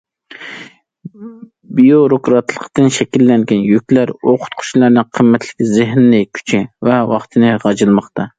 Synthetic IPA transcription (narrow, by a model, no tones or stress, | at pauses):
bijoɾokɾɑt̪lˠəqʰd̪ɨnʃɛkʲilːɛŋɡʲɛnjykʲlæɾoqʰʊ̥t̪̚qʰʊ̥t͡ʃʰlˠɑɾnɨŋqʰəmːɛt̪ʰlɪ̥kʲzɪɦnːɪkʲʰy̥t͡ʃʰɪvɛwɑχt̪ʰɨnɨʁɑd͡ʒɨlˠmɑχt̪ʰɑ